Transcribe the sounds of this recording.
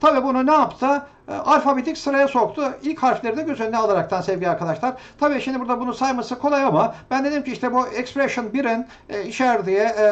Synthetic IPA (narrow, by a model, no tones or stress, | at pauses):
t̪ʰabiːbununɛapt̪ʰɯ | aɾfabid̪icʲsɯɾajaso̞kt̪ʰʊilʲchaɾflʲe̞ɾinɛɟøzʰylʲnɛalˠaɾak̚t̪ʰansɛvɟilʲaɾkʰad̪aʃlˠaɾ̥t̪ʰabiːʃimd̪ibuɾd̪abunusajmasɯkʰo̞lˠajamab̥ænd̪e̞d̪imcʰiiʃt̪ɛbuɛkspɾɛʃɯnbiɾin | iʃæɾd̪ijɛ